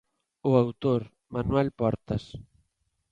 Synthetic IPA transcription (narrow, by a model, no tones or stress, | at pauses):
ʊawt̪oɾ | manwɛlpɔɾt̪ɐs